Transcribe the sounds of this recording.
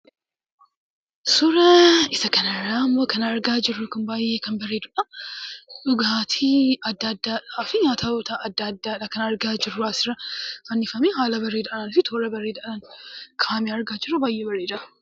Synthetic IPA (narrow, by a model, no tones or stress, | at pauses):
sʊɾɐɪsɐkɐnɐrːaːmːoːkɐnɐɾɡaːd͡ʒɪrːʊkɐnbaːjːeːkɐnbɐreːd̪ʊᶑɐ | ᶑʊɡaːt̪ʰiɐd̪ːɐd̪ːaːᶑaːfɪɲaːt̪ɐot̪ɐɐd̪ːɐd̪ːaᶑɐkɐnɐɾɡaːd͡ʒɪrːʊaːsɪɾɐfɐnːɪfɐmeːɦaːlɐbɐrːeːd̪ɐʔɐnɐnɪfɪt̪ʰoːɾɐbɐreːd̪ɐʔɐnɐnkʰaːmiɐɾɡaːd͡ʒɪrːʊbaːjʔeːbɐrːeːd̪ɐʔɐ